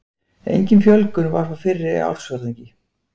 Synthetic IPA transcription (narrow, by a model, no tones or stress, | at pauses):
ḛjɲcɪnfjœlkʏnvaɾ̥fawfɪrːɪ̰a̰wlsvœɾɛɲcɪ